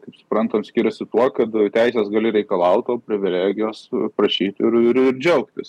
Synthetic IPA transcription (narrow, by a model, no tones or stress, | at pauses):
kɐɪpsʊ̥pɾɐnt̪ɐmsʲkʲiːɾʲʊsʲɪt̪uɔkɐt̪t̪ʲæɪsʲeːsɡɑːlʲɪɾʲɛɪkɐlˠɐʊt̪oːpʲɾʲɪʋʲɪlʲæːɡʲɪjoːspɾɐʃʲiːt̪ʲɪɾɪɾɪɾd͡ʒʲɛʊkt̪ʲɪs